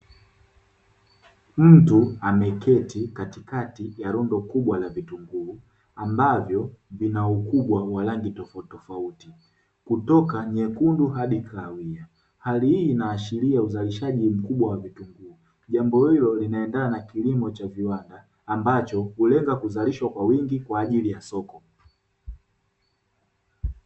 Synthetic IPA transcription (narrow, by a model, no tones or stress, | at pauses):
m̩tuamɛkɛtikatikatijaɾɔndɔkuɓwalavituŋɡuː | ambavjɔvinaukuɓwawalaŋɡitɔfatɔfauti | kutɔkaɲɛkunduhaɗikʰawia | halihinaːʃiliauzaliʃaʄim̩kuɓwawavituŋɡuː | ʄambɔhilɔlinaɛndananakilimɔt͡ʃaviwandaː | mbat͡ʃɔhulɛŋɡakuzaliʃwakwawiŋɡikwaːʄilijasɔkɔ